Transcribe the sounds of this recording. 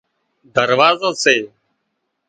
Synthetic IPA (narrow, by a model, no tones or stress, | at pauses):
d̪əɾʋaːzəːseː